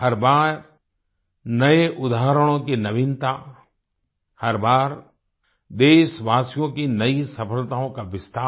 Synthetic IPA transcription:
hɐɾbaːɾ | nɐeʔʊd̪aːɦɾəɽ̃õkinɐʋɪnt̪a | hɐɾbaːɾ | d̪eːʃʋaːsijõkinɐisɐpʰəlt̪aːõkaʋɪst̪aː

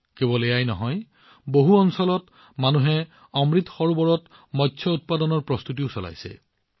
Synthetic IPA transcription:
kebɔlejajnɔɦɔj | boɦuɔnsɔlɔt | manuɦɛ | ɔmɹit̪xɔɹubɔɹɔt | mɔtːsʰɔut̚padɔnɔɹpɹɔst̪ut̬iʊsɔla̰jsɛ̰

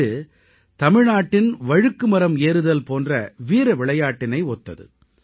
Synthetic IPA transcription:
ɯ | t̪ɐmɪɻnaːʈːɪnʋɐɻɯkːɯmɐɾɐmeːɾɯðɐlpoːndrɐʋiːɾɐʋɪɭɐjaːʈːɪnɐɪoːt̪ːɐ̰ðɯ̰

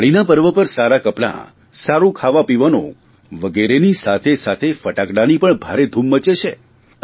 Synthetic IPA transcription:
aɭinapəɾʋəpəɾsaɾakəpɽa̰ | saɾũkʰaʋapiʋəno̰ | ʋəɡeɾenisat̪ʰesat̪ʰefəʈakɽanipəɳbʱaɾed̪ʱumːət͡ʃet͡ʃʰe

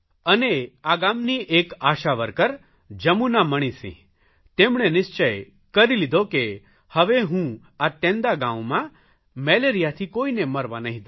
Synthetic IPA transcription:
əneaɡamniʔekaʃaʋəɾkəɾ | d͡ʒəmunaməɽ̃ĩsḭ̃ | t̪emɽ̃enɪst͡ʃəj | kəɾilid̪ʱoke | həʋeɦũ | aʈẽnd̪aɡãwmã | mɛleɾijat̪ʰikoːineməɾʋanəɦĩd̪

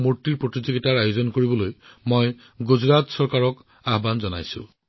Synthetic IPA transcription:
muɹtːiɹpɹot̪izoɡitaɹajozɔnkoɹibɔlojmoj | ɡuzɹatsɔɹkaɹɔk | aɦbanzɔna̰jsṵ̃

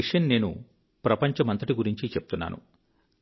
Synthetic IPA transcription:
iʂɐnne̞ːnṵ | pɾɐpɐɲt͡ʃɐmɐnt̪ɐʈiɡuɾiɲt͡ʃit͡ʃepu̥t̪unːa̰ːnṵ

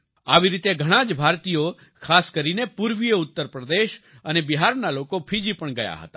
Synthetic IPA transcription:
aʋiɾit̪eɡʱəɽ̃ãd͡ʒbʱaɾt̪ijo | kʰaskəɾinepuɾʋijəʊt̪ːəɾpɾəd̪eʃ | ənebiɦaɾnalokopʰid͡ʒipəɳɡəja̰ɦə̰t̪a̰

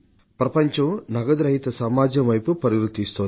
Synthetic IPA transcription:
pɾɐpɐɲt͡ʃɐnɐɡɐd̪ɾɐɦit̪ɐsɐmaːd͡ʒɐʋɐjpupɐɾiɾut̪ist̪on

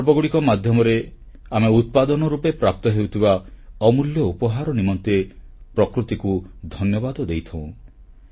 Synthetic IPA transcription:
ɾbɔɡuɽikɔmad̪ʱjɔmɔɾe | ameut̪̚pad̪ɔnɔɾupepɾap̚t̪ɔɦeut̪ʰibaɔmuljɔupɔɦaɾɔnimɔnt̪e | pɾɔkɾut̪ikud̪ʱɔnjɔbad̪ɔd̪ejt̪ʰɔ̃ũ

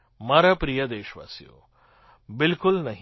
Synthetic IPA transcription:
mɐɾɐpɾijɐd̪eːʃʋa̰ːsijo̰ | bɪlkʊlnɐɦ

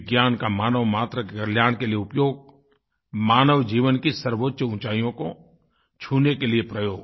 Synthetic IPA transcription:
ɡjaːnkamaːnəʋmaːt̪ɾəəɾljaːñkelieʊpjoːɡ̚ | maːnəʋd͡ʒiːʋənkisəɾʋotːʃəʊ̃t͡ʃaːijõko | t͡ʃʰuːnekeliepɾəjoːɡ

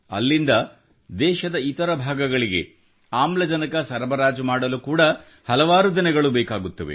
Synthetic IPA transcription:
ɐ̰lːind̪ɐ | d̪ɛːʃɐd̪ɐit̪ɐɾɐbʱaːɡɐɡɐɭiɡe̞̰ | aːmlɐd͡ʒɐnɐkɐsɐɾɐbɐɾaːd͡ʒɐmaːɽɐlukuːɽɐ | hɐlɐʋaːɾud̪inɛɡɐɭubɛːkaːɡut̪ːɐʋḛ

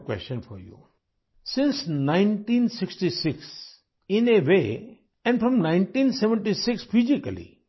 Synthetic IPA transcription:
kwɛ̰st͡ʃə̃nfɔ̰ɾjṵ | sɪ̃nsnãɪ̃nʈĩːnsɪksʈisɪks | ɪ̃neʋe | ɛ̃ɳɖfɾɔ̃mnãɪ̃nʈĩnsɛʋə̃ɳʈisɪksfizikəlḭ

